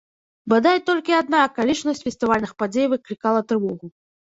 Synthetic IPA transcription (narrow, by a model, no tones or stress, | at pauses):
bɨd̪ajt̪ɔlʲkʲiad̪̚nakalʲit͡ʂnɐsʲt͡sʲfʲɛst̪ɨvalʲnɨxpad͡zʲejvɨklʲikalˠɐt̪ɾɨvɔɣu